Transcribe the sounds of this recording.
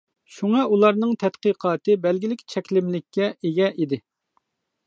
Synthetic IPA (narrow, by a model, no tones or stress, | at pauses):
ʃuŋɑulˠɑɾnɨŋt̪ʰɛt̪qəqʰɑːt̪ɨbɛlɡʲilɪkʲʰi̥t͡ʃʰɛkʲlɪmlɪkʲːɛʔeɡʲɛʔid̪ɪ